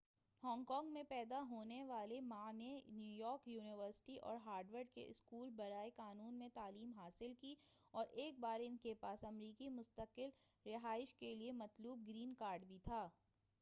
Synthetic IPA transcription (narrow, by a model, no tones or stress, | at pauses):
hɔ̃ːŋkɔ̃ːŋɡmẽpɛːd̪aɦoːneʋaːlemãːnenjuːjɔːɾkjuːnɪʋəɾsɪ̥ʈiʔɔ̰ːɾɦaːɾɖʋəɾɖkḛʔɪskuːlbɐɾaːekaːnuːnmẽt̪aːliːmɦaːsɪlki | ɔːɾʔeːk̚baːɾɪnkepaːsɐmɾiːkimʊst̪əkɪl | ɾɪɦaːɪʃkeliemɐt̪luːb̚ɡɾiːnkaːɾɖbʱit̪ʰaː